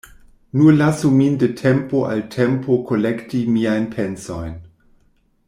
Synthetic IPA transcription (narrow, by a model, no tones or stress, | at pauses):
nulasumindetʰɛmpoʔa̰ltʰɛmpʰokʰolɛktimiajnpʰɛnsojn